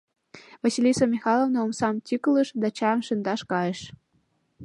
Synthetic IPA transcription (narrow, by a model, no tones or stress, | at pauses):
vɑsilʲisomʲixɑlˠovnoomsɑmt̪ʲykləʃd̪ɑt͡ɕɑmʃənd̪ɑʃkɑjeʃ